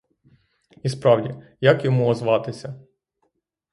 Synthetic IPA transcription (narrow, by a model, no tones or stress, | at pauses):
ispɾɑwdʲijakjɔmuɔzʋɑt̪ɪsʲɐ